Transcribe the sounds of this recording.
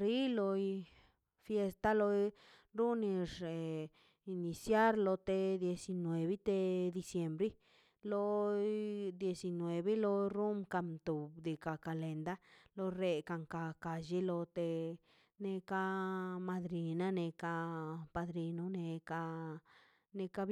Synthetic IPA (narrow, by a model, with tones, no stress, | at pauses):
ɾi˦lo˧ | fje˧st̪a˦lo˧ | ɾu˦ni˧ʐe˨ | i˧ni˨sja˦ɾlo˧t̪e˧d̪je˧si˧nwe˨βi˦t̪e˧d̪i˧sje˨mbɾi˦ | lo˦ | d̪je˧si˧nwe˨βe˦lo˧ɾu˦mka˧mt̪u˨bd̪e˨ka˨ka˨le˨nd̪a˦lo˧ɾe˧ka˨˧ŋka˧ka˨ʒi˦lo˧t̪e˧ | ne˧ka˧ma˧d̪ɾi˨na˦ne˧ka˧pa˧d̪ɾi˧no˧ne˧ka˧ | ne˧ka˧